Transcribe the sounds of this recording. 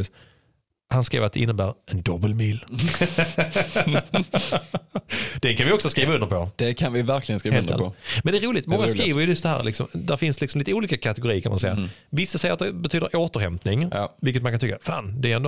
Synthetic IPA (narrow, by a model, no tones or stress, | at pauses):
s | hanskɾḛːvat̪̚d̪ɛʔɪnːəbæːɾʔɛnd̪ɔbəlmiːl | d̪̥ɛkʰanvɪɔksɔskɾiːvaɵnd̪əɾpʰɔd̪̥ɛkʰanvɪvæɾkʰlɪɡənskɾiːveːəɛ̰ɔmɛnd̪ɛæɾuːlɪt̪mɔŋːaskɾiːvəɾjəjɵstd̪ɛhæ̰ːɾlɪksɔ̰md̪æɾfɪnslɪksɔmliːt̪əuːliːkakʰat̪ɛɡʊɾiːəkʰanma̰nsɛjːa̰ | vɪsːasɛjəɾat̪d̪ɛbɛt̪ʰyːd̪əɾʔoːt̪əɾhɛmpnɪŋvɪlkːət̪manŋkant̪ʰʏkːafa̰ːnd̪ɛæɾɛnd̪